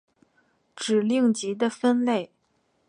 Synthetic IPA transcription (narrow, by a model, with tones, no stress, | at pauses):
ʈ͡ʂɻ̩˨˩li˥˩ŋt͡ɕi˧˥d̪ə˧fə˥nle˥˩ɪ